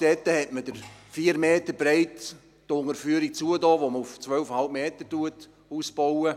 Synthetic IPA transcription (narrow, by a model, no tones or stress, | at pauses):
d̥ɛtːəhɛtməd̥əɾfiːəɾmeːtəbɾeɪt | tʊŋəɾfyəɾik̚t͡suədɑːʋoməuft͡sʋœlfhɑlb̚meːtətuət | uːsb̥owə